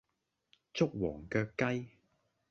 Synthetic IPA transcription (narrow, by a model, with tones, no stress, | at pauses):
t͡sʊ˥k̚wɔː˨˩ŋkœː˧kːɐ˥j